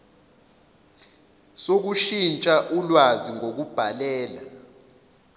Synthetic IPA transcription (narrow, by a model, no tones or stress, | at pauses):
sok̬uʃint͡ʃʼaʔulwaziŋok̬ub̥ʱalɛːla